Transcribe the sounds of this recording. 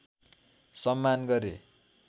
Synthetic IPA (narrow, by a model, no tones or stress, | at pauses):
sʌmːanɡʌɾe